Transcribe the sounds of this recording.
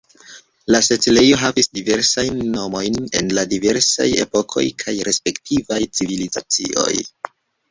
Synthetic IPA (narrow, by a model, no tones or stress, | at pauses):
laset͡sile̞jo̞ɦavisdive̞ɾsajnːo̞mo̞jne̞̰nladive̞ɾsa̰je̞̰po̞kʰo̞̰jkʰajɾe̞spe̞ktʰivajt͡siviliza̰t͡sḭʔo̞̰j